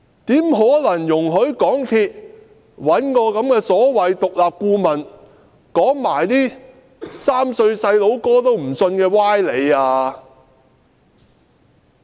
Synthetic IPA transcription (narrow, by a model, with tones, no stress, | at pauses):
t̪iː˨˥mɦɔː˨˥lɐ˨˩ŋjʊ˨˩ŋɦɵ˨˥ɥkɔː˨˥ŋt̪ʰiː˧t̚ | wɐ˨˥nkɔː˧kɐ˨˥mkɛː˧sɔː˨˥wɐ˨jt̪ʊ˨k̚laː˨p̚kuː˧mɐ˨˩n | kɔː˨˥ŋmaː˨˩jt̪iː˥ | saː˥msɵ˧ɥsɐ˧jlo˨˥wkɔː˥t̪o˥wm̩˨˩sɵ˧nkɛː˧waː˥jle˨˧jaː˧